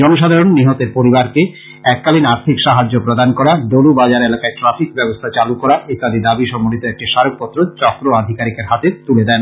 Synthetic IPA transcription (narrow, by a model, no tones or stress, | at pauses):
ɔnoʃ̬ad̪ʱaɾonːiɦot̪eɾpoɾibaɾke | ɛkːalinaɾt̪ʰikʃaɦad͡ʑːopɾod̪ankɔɾaɖolubad͡ʑaɾelakaeʈɾafikbɛbost̪ʰat͡ɕalukɔɾaʔet̪ad̪id̪abiʃɔmolit̪oɛk̚ʈiʃaɾok̚pɔt̪ːɾot͡ɕɔkɾoad̪ʱikaɾikeɾɦat̪et̪uled̪ɛn